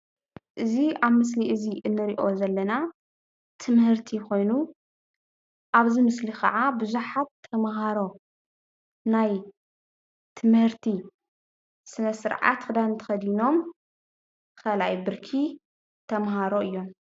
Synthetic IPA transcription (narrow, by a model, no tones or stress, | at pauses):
ʔɨziaβmɨs̬liʔɨziʔɨnːɨɾiʔo̞zɐlːɐna | t̪ʰɨmhɨɾt̪ʰiko̞jnu | ʔaβzimɨslikʰɐ̰ʕabɨzuħat̚t̪ʰɐmɦaɾo̞ | naj | t̪ʰɨmhɨɾt̪ʰi | sɨnɐsɨɾʕa̰t̪xɨd̪ant̪ʰɐ̥xɐd̪ino̞m | kʰɐlajbɨɾkʰi | t̪ʰɐmhaɾoɨjːo̞m